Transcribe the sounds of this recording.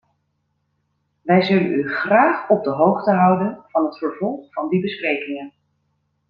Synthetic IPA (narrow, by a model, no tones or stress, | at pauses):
ʋɛjzɵlə̰nyχraːχɔb̚dəɦowχtəɦʌwdənv̥ɑnɦətfəɹvɔlˠχfɑndibəsprejkɪŋən